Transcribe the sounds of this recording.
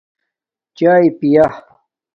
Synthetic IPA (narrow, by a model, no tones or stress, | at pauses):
t͡ɕaːjpijah